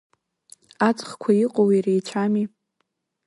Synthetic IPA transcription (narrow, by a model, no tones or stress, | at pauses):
at͡sʼχkʷʰaiqʼowirejt͡ʃʷʰami